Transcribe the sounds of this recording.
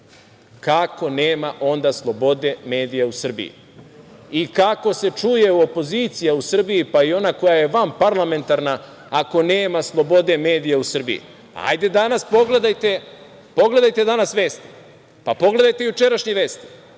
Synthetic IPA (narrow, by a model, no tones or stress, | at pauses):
kako̞ne̞ːmaʔo̞nd̪aslˠo̞bo̞d̪e̞me̞ːd̪ijausr̩bḭḭ | ikako̞se̞t͡ʃuje̞uo̞po̞ziːt̪sijausr̩bijipaio̞nako̞jaje̞ʋampaɾlame̞nt̪aɾnaː | ko̞neːmaslˠo̞bo̞d̪e̞me̞ːd̪ijausr̩bḭjḭ | a̰jd̪e̞d̪anaspo̞ɡle̞d̪ajt̪e̞ | po̞ɡle̞d̪ajt̪e̞d̪anasʋe̞ːst̪i̥ | papo̞ɡle̞d̪ajt̪e̞jut͡ʃe̞ɾaʃɲeʋe̞ːst̪i̥